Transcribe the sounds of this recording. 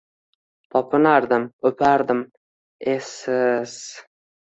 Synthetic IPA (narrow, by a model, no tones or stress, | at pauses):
t̪ʰɒpʰɪnaɾd̪ɪmɵpʰaɾd̪ɪm | esɪz̥